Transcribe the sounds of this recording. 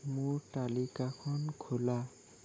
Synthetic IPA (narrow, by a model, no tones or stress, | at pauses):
mʊɹʈalikakʰɔnkʰula